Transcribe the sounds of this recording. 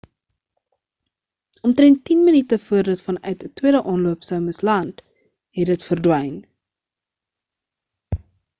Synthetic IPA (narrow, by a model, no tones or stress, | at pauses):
ʔɔmtrɛntːinmənitəfuərdətfɐnœɥtətwiəɾəʔɑnluəpsəwməslɐnt | ɦɛdətfərdwɛjn